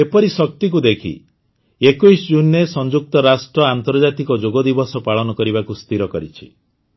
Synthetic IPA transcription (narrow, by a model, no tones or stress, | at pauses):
epɔɾisɔk̚t̪ik̬ud̪ekʰḭ | ekuisd͡ʒunːesɔnd͡ʒuk̚t̪ɔɾasʈɾɔant̪ɔɾd͡ʒat̪ikɔd͡ʒoɡɔd̪ibɔsɔpaɭɔnɔkɔɾibakust̪iɾɔkɔɾit͡ʃʰi̥